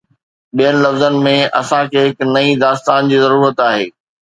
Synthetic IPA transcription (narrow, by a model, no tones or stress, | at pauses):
ɓijənɪ̆lɐfzənɪ̆mẽʔɐsãkʰeɦɪknɐid̪aːst̪aːnd͡ʑiːzɐɾuːɾət̪aːɦeː